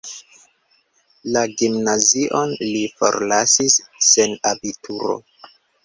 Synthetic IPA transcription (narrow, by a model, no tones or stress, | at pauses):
laɡimnaziʔo̞nlifo̞̰ɾlasisːenabitʰuɾo̞̰